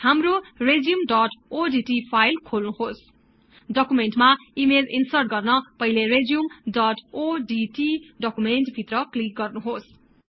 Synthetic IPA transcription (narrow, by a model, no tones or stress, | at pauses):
hamrored͡zijumɖʌʈoɖiʈipʰajlkʰolnuɦos | ɖʌkumenʈmaimelḭnsʌrʈɡʌrnʌpʌɦileɾed͡zjumɖʌʈoɖiʈiɖʌkumenʈbʱit̪rʌklik̚ɡʌrnuɦos